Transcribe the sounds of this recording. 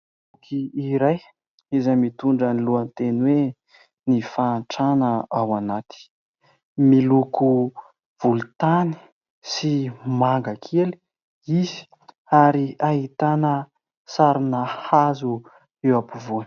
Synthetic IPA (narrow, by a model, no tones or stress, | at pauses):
ukʰiiɾaj | izamit̪uɳɖ͡ʐəniluant̪enwe | nifaːɳʈ͡ʂanəawanat̪i̥ | miluku | v̥ulut̪ani̥ | simaŋɡakʰeli̥ | izi̥ | aɾiaɦit̪anə | saɾinahazu | ewapuvun